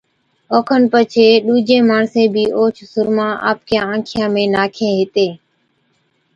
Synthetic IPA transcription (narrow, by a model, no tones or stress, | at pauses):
oːkʰənpət͡ʃʰeːɗuːd͡ʒẽːmaːɳsẽːbʱiːʔoːt͡ʃʰsʊɾmãːʔa̰ːpkjãːãːkʰɪjãːmẽːnaːkʰẽːɦɪt̪eː